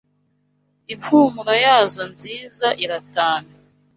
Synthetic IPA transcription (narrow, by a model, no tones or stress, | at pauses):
ifuːmuɾojaːzo̞nziːzaʔiɾataːna